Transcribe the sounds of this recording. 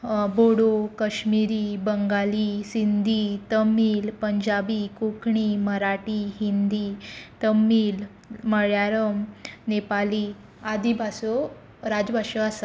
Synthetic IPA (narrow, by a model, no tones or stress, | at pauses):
boɽokəɕmiɾiːbəŋɡaliːsind̪ʱiːt̪əmiːlpəɲd͡ʑabikukɳiməɾaʈiɦind̪iːt̪əmːiːl | məɭjaɾəmnepali | ad̪ibʱaso | ɾad͡zbʱaɕoasa